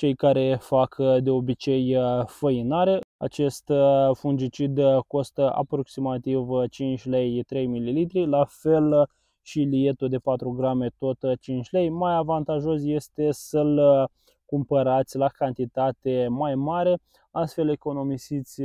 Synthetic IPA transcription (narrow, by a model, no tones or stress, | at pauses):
t͡ʃe̞jkaɾe̞fakd̪e̞o̞bit͡ʃe̞jfəinaɾe̞a̰t͡ʃe̞st̪fund͡ʒit͡ʃid̪ko̞st̪əa̰pɾo̞ksimat̪ivt͡ʃint͡ʃʲle̞jt̪ɾe̞jmililit̪ɾilafe̞l | ʃilije̞t̪ud̪e̞pat̪ɾuɡɾame̞t̪o̞t̪t͡ʃint͡ʃʲle̞jmajavant̪aʒo̞sje̞st̪e̞səl | kumpəɾat̪sʲlakant̪it̪at̪e̞majmaɾe̞ | ast̪fe̞le̞ko̞no̞misit̪sʲ